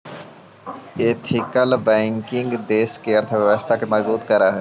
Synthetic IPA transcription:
eːt̪ʰɪkəlbɛ̃ːŋkɪ̃ŋɡd̪eːskeɐɾt̪ʰəʋjəʋəst̪ʰakemɐzbuːt̪kɐɾaɦɛ

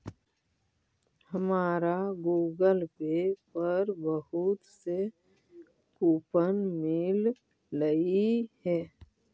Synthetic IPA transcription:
həmaːɾaɡuːɡəlpepəɾbəɦut̪se | kuːpənmɪlː | əihɛː

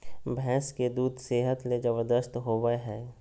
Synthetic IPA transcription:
bʱɛ̃ːsked̪uːd̪ʱseːɦət̪led͡ʒəʋəɾd̪əst̪ɦoːʋəɦɛː

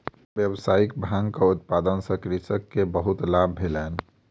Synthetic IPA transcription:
bjəbsaikbʱãŋkəut̪̚pad̪ənsə̃kɾisəkːebəɦut̪labbʱelɛn

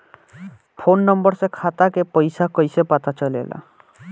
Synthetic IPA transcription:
pʰonːɔmbɔɾsekʰat̪akepɔjsakɔjsepat̪at͡ʃɔlḛla̰

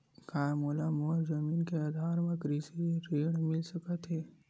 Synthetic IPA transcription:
kaːmoːlamoːzɐmiːnkead̪ʱaːɾmɐ̃kɾiseɾeːɽmɪlsɐkat̪ɦeː

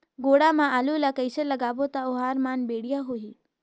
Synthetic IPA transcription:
ɡoːɽamãʔalulakəɪsələɡaːbot̪aoɦaːɾmaːnbeːɽijaɦoi

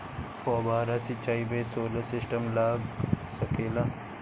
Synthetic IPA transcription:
xoːbaːɾasit͡ɕaːibesoːlɐsɪsʈɐmlaːɡsɐkeːla

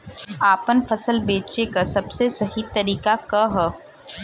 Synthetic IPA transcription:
aːpənfɐsəlbeːt͡ʃekasɐbsesɐɦit̪ɐɾiːkakɐɦ

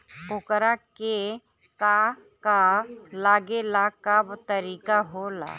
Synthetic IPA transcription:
ʊkɾake | ka | kalaːɡelakabt̪əɾiːkaɦola̰ː

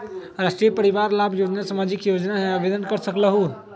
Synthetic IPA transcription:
ɾasʈɾiəpəɾiʋaɾlabʱjod͡ʒnasamad͡ʒikjod͡ʒnaɦẽəbʱed̪ənkəɾsəkləɦu

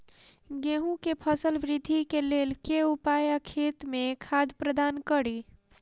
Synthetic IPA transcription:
ɡeɦũkepʰəsəlbɾid̪ʱːikelelkeupajakʰet̪mekʰad̪ʱpɾəd̪ankəɽi

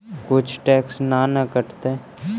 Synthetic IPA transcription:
kʊt͡ʃʰʈɛːksnanəkəʈt̪e

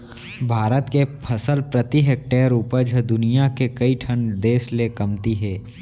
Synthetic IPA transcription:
bʱaːɾət̪kepʰɐsəlpɾɐt̪iɦeːk̚ʈeːɾuːpəɾd͡ʒʱəd̪ʊnijakekɐiʈʰəɳd̪eːslekɐmt̪iɦɛː

